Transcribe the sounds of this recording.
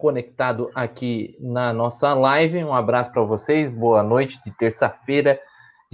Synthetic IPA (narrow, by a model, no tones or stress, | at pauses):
kõnek̚t̪ad̪ʊʔakinɐnɔsɐlajvɪũabɾasʊ̥pɾɐvosejzboɐnojt͡ʃɪ̥d͡ʒ̪ɪt̪eɾsɐfejɾɐ